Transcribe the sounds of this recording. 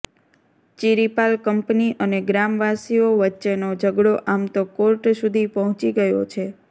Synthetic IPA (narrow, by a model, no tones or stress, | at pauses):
t͡ʃiɾipalkəmpniʔəneɡɾamʋasioʋətːʃenod͡ʒəɡɽoʔamt̪okoɾʈsud̪ʱipəɦɔ̃t͡ʃiɡəjo̰t͡ʃʰe